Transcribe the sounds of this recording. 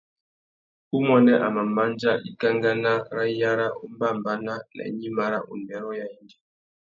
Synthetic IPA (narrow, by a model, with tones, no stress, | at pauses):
u˦mɔ˦nɛ˦ʔa̰˨ma˨ma˦nd͡ʒa˦i˨ka˦ŋɡa˦na˦ɾa˦ja˦ɾa˦ʔu˦m˦ba˦˨mba˦na˦lɛ̰˨˦ɲi˦ma˦ɾa̰˦ʔṵ˨ndɛ˨ɾɔ˦ja˨i˦ndi˦˨˦